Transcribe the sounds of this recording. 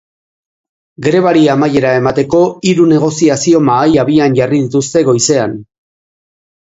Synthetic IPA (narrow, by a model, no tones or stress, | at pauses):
ɡɾe̞β̞aɾiamaje̞ɾae̞mat̪e̞ko̞iɾune̞ɣ̞o̞siasio̞maːjaβ̞ianɟariðit̪ust̪e̞ɣo̞jse̞an